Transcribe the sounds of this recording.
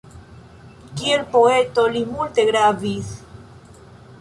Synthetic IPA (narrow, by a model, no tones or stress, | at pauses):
kielpoet̪olimult̪eɣɾaviθ